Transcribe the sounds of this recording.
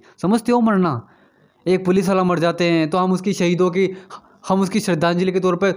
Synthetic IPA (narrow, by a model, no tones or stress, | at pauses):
sɐməst̪ʰeõmɐɽna | eːk̚pʊlɪs̬ʋaːlamɐɽd͡ʒaːt̪eɦɛ̃t̪oɦɐmʊskiʃɐɦiːd̪õki | hɐmʊskiʃɐɾd̪aːnd͡ʒɪliket̪ɔːɾpə